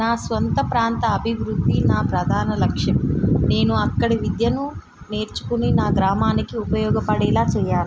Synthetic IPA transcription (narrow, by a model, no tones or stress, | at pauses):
naːsʋɐnt̪ɐpɾaːnt̪ɐːbʱiʋɾud̪ʱːinaːpɾɐd̪ʱaːnɐlɐkʂjɐmine̞ːnuɐkːɐɽiʋid̪jɐnu | ne̞ːɾt͡ʃu̥kuninaːɡɾaːmaːnikiupɐjɔːɡɐpɐɽɛːlaːt͡ʃɛːjːaːni